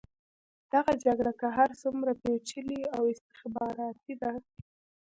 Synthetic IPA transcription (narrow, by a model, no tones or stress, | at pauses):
d̪̥aɣad͡ʒaɡɽakaɦaɾsumɾapet͡ʃəliawɪst̪ɪ̥xbɑɾɑt̪id̪a